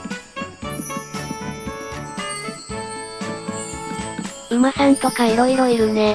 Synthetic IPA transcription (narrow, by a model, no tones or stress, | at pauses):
ɯ̟mahẽnt̪okaiɾo̞iɾo̞iɾɯ̟ne